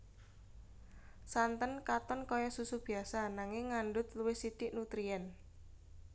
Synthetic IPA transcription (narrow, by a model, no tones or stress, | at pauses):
sant̪ənkat̪ɔnkɔjɔsusub̥i̤asanaŋɪŋːanɖʊt̪̚luwɪhsit̪iʔnut̪ɾiɛn